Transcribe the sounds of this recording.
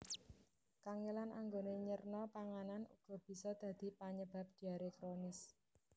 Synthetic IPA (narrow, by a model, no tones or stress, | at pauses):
kaŋelanʔa̰ŋɡoneɲərnɔpaŋananṵɡ̥ɔ̤b̥i̤sɔd̪̥ä̤d̪̥i̤paɲəb̥a̤p̚d̪̥i̤aɾekɾonɪs